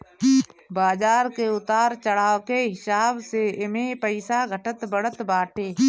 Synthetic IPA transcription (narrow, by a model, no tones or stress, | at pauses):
baːd͡ʒaːɾkeʊt̪aːɾt͡ʃəɽaːokeɦɪsaːbseɪmepəɪsaɡʱəʈət̪bəɽ̤ət̪baːʈʰeː